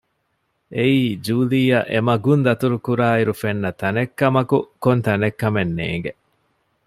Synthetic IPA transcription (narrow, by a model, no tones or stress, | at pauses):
ʔeiːd͡ʒuːlijɐʔemɐɡund̪ɐt̪uɾukuɾaːiɾufenːɐt̪ɐnekːɐmɐkukont̪ɐnekːɐmenːḛːŋɡe